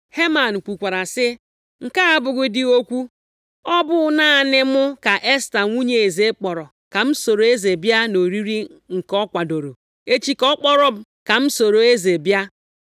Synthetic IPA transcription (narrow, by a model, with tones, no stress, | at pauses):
he˦ma˨n̩˨kʷu˨kʷa˨ɾa˨sɪ˦ | ŋ̩˨ka˦a˦bʊ˨ɡʊ˦dɪ˦o˦kʷu˦ | ɔ˦bʊ˦na˦a˨nɪ˦mʊ˦ka˨ʔe˦sta˨ŋʷu˦ɲe˨e˨ze˦k͡pɔ˨ɾɔ˨ | ka˨m̩˦so˨ɾo˨˦e˦ze˨bja˦no˨ɾi˦ɾi˦ŋ̩˨kɔ˦kʷa˨do˨ɾo̰˨ | e˦t͡ʃi˦kɔ˦k͡pɔ˦ɾɔ˦b | ka˨m̩˦so˨ɾo˨e˦ze˨bja˦